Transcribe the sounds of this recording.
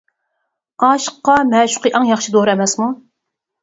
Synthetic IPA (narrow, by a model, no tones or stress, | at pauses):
ɑːʃə̥qːɑmɛːʃʊ̥qɨʔɑŋjɑχʃid̪oɾɨɛmɛsmu